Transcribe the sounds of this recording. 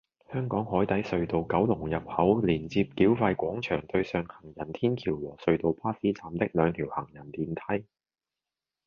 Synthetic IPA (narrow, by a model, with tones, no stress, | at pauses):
hœː˥ŋkɔː˨˥ŋhɔː˨˥jt̪ɐ˨˥jsɵ˧ɥt̪o˨wkɐ˨˥wlʊ˨˩ŋjɐ˨p̚hɐ˨˥wliː˨˩nt͡siː˧p̚kiː˨˥wfaː˧jkʷɔː˨˥ŋt͡ʃʰœː˨˩ŋt̪ɵ˧ɥsœː˧ŋhɐ˨˩ŋjɐ˨˩nt̪ʰiː˥nkʰiː˨˩wwɔː˨˩sɵ˧ɥt̪o˨wpʰaː˥siː˥t͡saː˨mt̪ɪ˥k̚lœː˨˧ŋt̪ʰiː˨˩whɐ˨˩ŋjɐ˨˩nt̪iː˨˧nt̪ʰɐ˥j